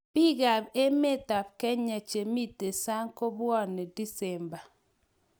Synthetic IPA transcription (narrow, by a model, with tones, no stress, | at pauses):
b̥i˦ɡa˨be˦me˦˨ta˨b̚kɛ˦ɲa˨t͡ʃe˨mi˦te˨sa˦ŋ˦ko˦bwɔ˦˨ne˨di˦sɛ˨mba˨